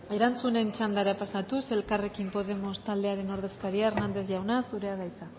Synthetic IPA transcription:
e̞ɾant͡sune̞nt͡ʃand̪aɾapasat̪use̞lkare̞kimpo̞ð̞e̞mo̞st̪ald̪e̞aɾe̞no̞ɾð̞e̞skaɾiaernand̪e̞s̬ʝawnasuɾe̞aɣajt͡sa

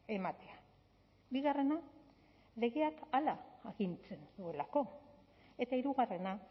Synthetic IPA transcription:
e̞mat̪e̞a | biɣare̞na | le̞ɣe̞akalaaɣint͡se̞nd̪ue̞lako̞ | e̞t̪aiɾuɣare̞na

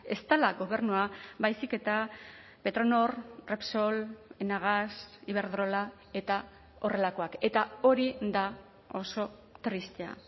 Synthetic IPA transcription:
e̞st̪alaɡo̞β̞e̞ɾnuaβajsike̞t̪a | pe̞t̪ɾono̞rrepsolenaɣ̞asiβe̞ɾðɾo̞la | e̞t̪a | o̞re̞lako̞ake̞t̪ao̞ɾid̪a | o̞so̞t̪ɾist̪ea̰

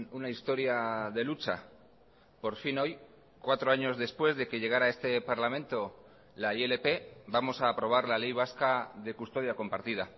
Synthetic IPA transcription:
unaist̪o̞ɾjaðe̞lut͡ʃa̰ | po̞ɾfino̞j | kwat̪ɾo̞aɲo̞zðe̞spwe̞zðe̞ke̞ʝe̞ɣ̞aɾae̞st̪e̞paɾlamẽ̞nt̪o̞ | laiele̞pe̞bamo̞saːpɾo̞β̞aɾlale̞jβ̞askaðe̞kust̪o̞ð̞jako̞mpaɾt̪ið̞a

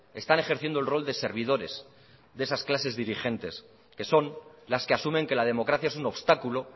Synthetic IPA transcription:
e̞st̪ane̞xe̞ɾθje̞nd̪olro̞ld̪e̞se̞ɾβ̞ið̞o̞ɾe̞z | ðesasklase̞zðiɾixe̞nt̪e̞s | ke̞so̞nlaskeasumẽ̞ŋke̞lað̞e̞mo̞kɾaθjaesuno̞βst̪akulo̞

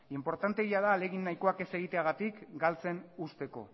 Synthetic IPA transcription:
impo̞ɾt̪ant̪e̞ɣiaðaːle̞ɣinːajkoake̞se̞ɣ̞it̪e̞aɣ̞at̪ikɡalt͡se̞nust̪e̞ko̞̰

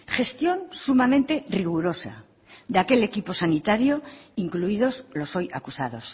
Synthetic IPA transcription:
xe̞st̪jo̞nsumamẽnt̪e̞riɣ̞uɾo̞sa̰ | d̪ake̞le̞kipo̞sanit̪aɾjo̞iŋkluið̞o̞slo̞so̞jakusað̞o̞s

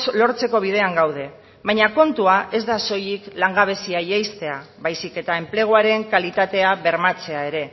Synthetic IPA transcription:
slo̞ɾt͡se̞ko̞βiðe̞aŋɡawð̞e̞ | βajɲako̞nt̪uaʔe̞zd̪aso̞jiklaŋɡaβ̞e̞siajejst̪e̞aβajsike̞t̪ae̞mple̞ɣ̞oaɾe̞ŋkalit̪at̪e̞aβe̞ɾmat͡se̞ae̞ɾe̞

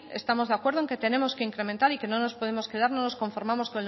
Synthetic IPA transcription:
e̞st̪amo̞zðakwe̞ɾð̞oeŋke̞t̪e̞ne̞mo̞skeiŋkɾe̞ment̪aɾike̞no̞no̞spo̞ð̞e̞mo̞ske̞ð̞aɾno̞no̞sko̞ɱfo̞ɾmamo̞skone

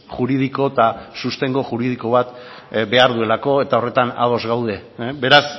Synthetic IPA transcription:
ʝuɾið̞iko̞t̪asust̪e̞ŋɡo̞ʝuɾið̞iko̞β̞at̪ | be̞aɾð̞ue̞lako̞e̞t̪ao̞re̞t̪ana̰ðo̞zɣawð̞e̞be̞ɾas

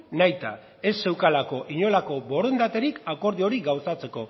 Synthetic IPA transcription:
najt̪a̰ | e̞sːe̞wkalako̞ʔiɲo̞lako̞bo̞ɾo̞nd̪at̪e̞ɾikako̞ɾð̞io̞ɾiɡawsat͡se̞ko̞

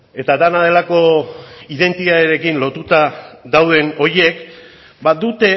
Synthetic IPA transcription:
e̞t̪ad̪anaðe̞lako̞iðe̞nt̪it̪aðeɾekinlo̞t̪ut̪aðawðe̞no̞ɾje̞k | bad̪ut̪e̞

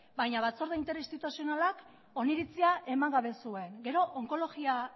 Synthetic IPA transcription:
bajɲaβat͡so̞ɾðeint̪e̞ɾist̪it̪usio̞nalak | o̞niɾit͡siaʔe̞maŋɡaβe̞sue̞ŋɡe̞ɾo̞ʔoŋko̞lo̞ɣia

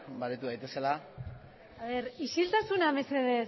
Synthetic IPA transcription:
baɾut̪uðajt̪e̞sela | aβe̞ɾiʃilt̪asuname̞se̞ðe̞

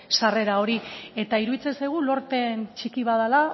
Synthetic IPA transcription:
sare̞ɾao̞ɾie̞t̪aiɾuðit͡sensajɣ̞ulo̞ɾt̪e̞nt͡ʃikiβaðala

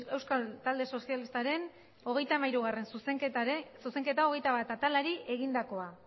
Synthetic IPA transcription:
e̞wskalt̪ald̪e̞so̞sialist̪aɾe̞n | o̞ɣ̞e̞jt̪amaiɾuɣ̞are̞nsusk̪suse̞ŋke̞t̪aoɣe̞jt̪aβat̪at̪alaɾiʔe̞ɣind̪ako̞a

